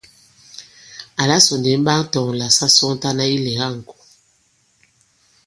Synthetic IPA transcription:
a˨la˦sɔ˨n˨de˨˦m˦ba˦ŋ˦tɔ˨ŋ˨la˨sa˦sɔ˦ŋ˦ta˦na˦i˦lɛ˨ɣa˦˨ŋ̩˨kɔ̥˨

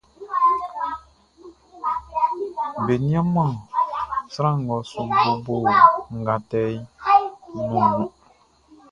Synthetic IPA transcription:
be˨nĩ˦ã˦mã˦˨sɾã˦˨ŋ˨ɡɔ˨˦su˨ko˦bo˦˨ŋ̩˨ɡa˨tɛ˦j | nũ˨nũ˨˦

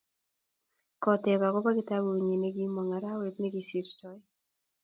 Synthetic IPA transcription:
kɔ˨tɛ˨ka˨kɔ˦ba˦kɪ˦ta˦bu˨ɲi˨ne˦ɡi˦mwa˨ŋa˨ɾa˦we˨tne˦ɡi˦si˦ɾt͡ʃɔ˨˦

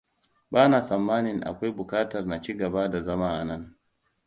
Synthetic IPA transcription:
baː˦na˨sɐ˨mːaː˦nɪ˨nʔa̰˨kʷa˦jbʊ˨kaː˦tɐ˨rna˨t͡ʃi˦ɡɐ˨ba˦da˨zɐ˦ma˦ʔa˨nɐ˦n

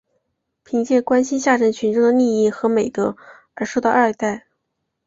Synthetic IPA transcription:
pʰi˧˥ŋt͡ɕjɛ˥˧kwa˥nɕi˥nɕja˥˩ʈ͡ʂə˥nɕy˧˥nʈ͡ʂɤ˥ŋd̪ə˨˩ni˥˧i˥˩xɤ˧˥me˨˩ɪt̪ɤ˧˥ | ə˞˧˥ʂo˥˧ʊt̪ɑ˥˧a˞˥˧˥t̪a˥˩ɪ

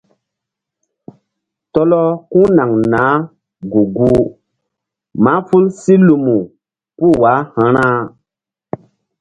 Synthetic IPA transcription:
tɔ˦lɔ˦kũ˦na˨ŋnaː˨˦ | ɡu˨ɡu˦ | ma˨˦fu˦lsi˦lu˨mu˨ | pu˦˨wa˨˦hã˦ɾã˦

